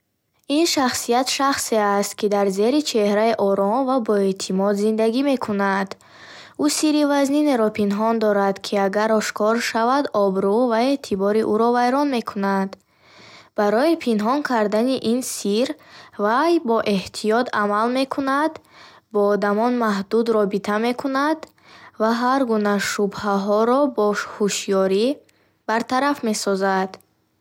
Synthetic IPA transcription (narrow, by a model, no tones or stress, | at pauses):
inʃaχsijat̪ʃaχseast̪̚kid̪aɾze̞ɾit͡ʃʰe̞hɾaiʔɔɾɔmvabɔet̪ʰimɔd̪zind̪aɡime̞kʰunad̪̥ | usiɾivaznineɾɔpʰinɦɔnd̪ɔɾad̪kʰiaɡaɾɔʃkʰɔɾʃavad̪ɔbɾuvae̞t̪ʰibɔɾiʔuɾɔvajɾɔnme̞kʰunad̪ | b̥aɾɔipʰinɦɔŋkʰaɾd̪aniʔinsiɾvajbɔʔe̞ht̪ʰijɔt̪ʰamalme̞kʰunad̪ | bɔːd̪amɔnmaɦd̪ud̪ɾɔbit̪ʰame̞kʰunad̪ | vaɦaɾɡunaʃubhaɦɔɾɔbɔhuʃjɔɾi | b̥aɾt̪ʰaɾafme̞sɔzad̪̥